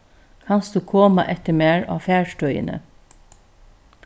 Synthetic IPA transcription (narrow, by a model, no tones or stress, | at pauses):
kʰɑnstd̪ʉːkʰoːmɑʔɛt̪əmæːɹɑ̰ːfæːɹʃʈœʏə̰nə̰